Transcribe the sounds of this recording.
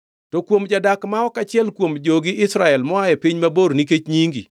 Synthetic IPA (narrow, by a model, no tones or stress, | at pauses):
tokwomd͡ʒadakmaɔkat͡ʃɪɛlkwomd͡ʒoɡɪɪsɾaɛlmɔajɛpiɲmaboɾniket͡ʃɲiŋɡḭ